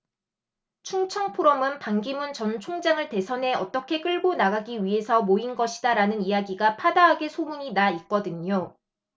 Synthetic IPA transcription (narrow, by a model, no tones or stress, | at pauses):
t͡ɕʰuŋt͡ɕʰʌŋpʰoɾʌmɯnpaŋɡimɯnt͡ɕʌnt͡ɕʰoŋd͡ʑaŋɯɭte̞sʰʌnɦe̞ʌt͈ʌkʰe̞k͈ɯɭɡonaɡaɡiɥiɦe̞sʰʌmoinɡʌɕʰi̥daɾanɯnijaɡiɡapʰadaɦaɡe̞sʰomuɲinait̚k͈ʌdɯɲo